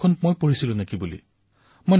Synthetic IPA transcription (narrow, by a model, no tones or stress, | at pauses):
ɔnmojpoɹisilʊ̃nekibulḭ | mojn